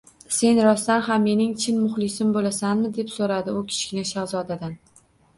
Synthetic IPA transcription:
se̞nɾɒst̪anhamːe̞nɪŋt͡ʃʰɪnmʊχlɪsɪmbolasanmɪd̪e̞psoɾad̪ɪʊkʲʰɪ̥ʃkʲɪnɪʃaɾzɒd̪ad̪an

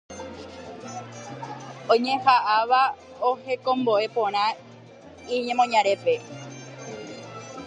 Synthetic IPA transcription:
õɲẽ̞haʔaʋa | ohe̞kõ̞mboe̞põ̞ɾ̃ã | iɲẽmõ̞ɲãɾe̞pe̞

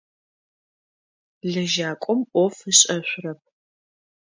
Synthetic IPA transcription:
ɮɐʒaːkʷʼɔmʔɔfɨɕʼɐɕʷʊrɐp̚ʰ

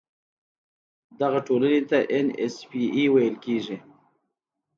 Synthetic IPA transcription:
d̪aɣaʈolanet̪aʔenḛspiiwajəlkeʐi

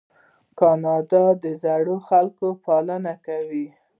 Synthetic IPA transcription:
kɑnɑd̪ɑd̪əzaɽoxalkopɑlənakawi

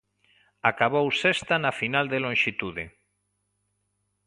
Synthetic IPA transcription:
akaβ̞owsest̪anafinald̪elõnʃit̪uðe

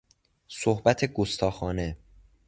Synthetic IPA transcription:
sohbæt̪ʰe̞ɡost̪ʰɒːxɒːne̞

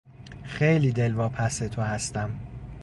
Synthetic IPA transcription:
xe̞jliːd̪e̞lvɒːpʰæset̪ʰohæst̪æm

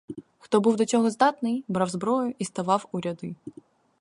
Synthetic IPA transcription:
xt̪ɔbɨwd̪ɐt͡sʲɔɣɔzd̪at̪nɨjbɾawzbɾɔjʊʔist̪avawuɾʲad̪ɨ

